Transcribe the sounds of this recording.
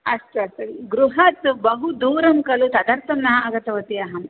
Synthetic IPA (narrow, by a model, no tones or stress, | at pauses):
ɐʂʈuɐst̪ɐiɡɾuɦɐt̪bɐɦud̪uːɾɐmkɐlut̪ɐd̪ɐɾt̪ɐmnaɐɡɐt̪ɐʋɐt̪iɐɦɐm